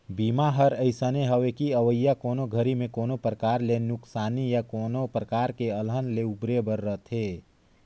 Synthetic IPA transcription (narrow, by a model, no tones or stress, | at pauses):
biːmaɦəɾəɪsəneɦəʋekiəʋəjːakoːnoɡʱəɾimẽkoːnopɾəkaːɾlenʊksaːnijakoːnopɾəkaːɾkeəlɦənleubɾebəɾːət̪ʰɦeː